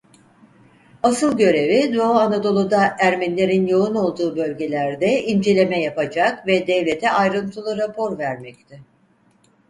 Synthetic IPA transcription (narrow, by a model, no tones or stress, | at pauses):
asɯlˠɟø̞ɾe̞vid̪o̞aanad̪o̞lˠud̪aʔæɾmænlʲe̞ɾinjo̞uno̞lˠd̪uːbø̞lʲɟe̞lʲæɾd̪ɛind͡ʒe̞lʲe̞mɛjapad͡ʒakvɛd̪ɛvlʲe̞t̪ʰɛʔajɾɯnt̪ʰɯlˠuɾapʰo̞ɾvæɾmɛct̪ʰɪ